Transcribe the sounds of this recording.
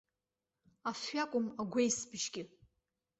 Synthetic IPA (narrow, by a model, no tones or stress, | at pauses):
afːakʷʼʊmaɡʷejsbʃɡʲɪ